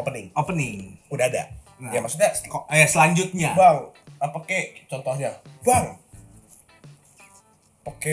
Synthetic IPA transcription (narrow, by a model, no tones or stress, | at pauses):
opənɪŋopənɪŋudahada̰ | jamaksuk̚ɲaskjasəlaɲd͡ʒʊt̪̚ɲabaŋapakɛt͡ʃɔnt̪ɔhɲabaŋ | pake